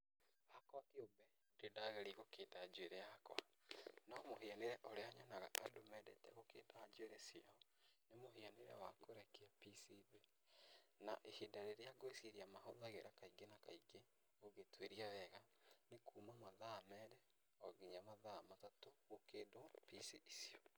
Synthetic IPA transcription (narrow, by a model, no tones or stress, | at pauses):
hakwakeombɛ | dedaɣɛɾiɣokeːdad͡ʒweɾɛaakwa̰ | naɔmoɦeaneɾɛʔoɾeaɲanaɣaʔadomɛdɛ̰tɛ̰ɣokeːdaːd͡ʒweɾɛsjaɔ | nemoɦeaneɾɛ̰wakoɾɛkeapisive | na̰ʔehedaɾeɾeaɡoeseɾiamaɦoðaɣeɾʔakaiɡenaka̰iɡe | oɣetweɾiaðɛɣa | nekuːmamaðamɛɾɛ | ɔɡiɲamaðamatatoɣokeːdopisiːsio